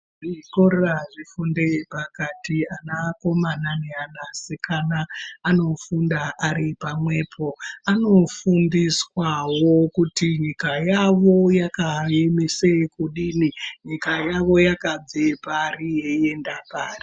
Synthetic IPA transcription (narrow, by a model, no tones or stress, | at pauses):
ʐikoreraʐifundepakatianako̞mananeanasekʰanaano̞fundaʔaɾipamwe̞ːpʰo̞ano̞fumbiswawokutiɲikajaʋo̞jakae̞mesekuɗiːniɲikajaʋo̞jakad͡zeparijeendapaːri